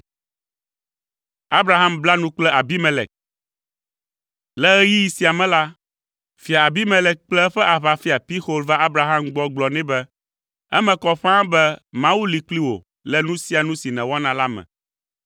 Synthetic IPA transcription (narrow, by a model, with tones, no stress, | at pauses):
a˦bɾa˦ɦa˦mbla˦nũ˦k͡plɛ˦ʔa˨bi˦mɛ˨lɛ˨k̚ | lɛ˦ɛ˦ji˦ji˨si˨˦a˨mɛ̃˦la˦ | fi˨a˨a˨bi˦mɛ̃˨lɛ˨k̚k͡plɛ˦ɸɛ˦ʔa˨βa˨fi˦a˨pi˦xo˦lva˦a˦bɾa˨ɦa˦mɡ͡bɔ˦ɡ͡blɔ˨nɛ̃˦bɛ˦ | ɛ̰˦mɛ̃˨kɔ˦ɸã˦bɛ˦mã˦wu˦li˨kli˦wo̰˨ | lɛ˦nũ˦si˦a˨nũ˦si˨nɛ̃˨wɔ˦nã˨la˦mɛ̰̃˨